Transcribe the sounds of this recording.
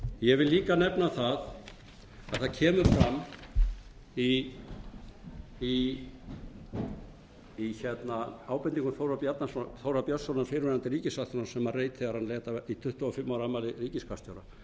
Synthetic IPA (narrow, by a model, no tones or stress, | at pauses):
jɛvɪlːiːkanɛpnaθað | að̥θaðcʰɛːmʏɾ̥fɾamː | i | i | içɛt̪naaːwpɛnt̪iŋkʏmθowɾapjat̪naθowɾapjœsɔnanfɪɾvɪnant̪ɪɾiːcɪsat̪ʏnasɛmareːjt̪θeɣaɾanlɛːt̪ait̪ʰʏht̪ʏɔfɪmːawɾamːalɪriːcɪskʰast̪jawɾa